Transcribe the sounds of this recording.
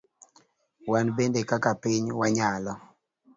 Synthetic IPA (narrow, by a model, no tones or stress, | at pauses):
wanbendekakapɪɲwaɲalɔ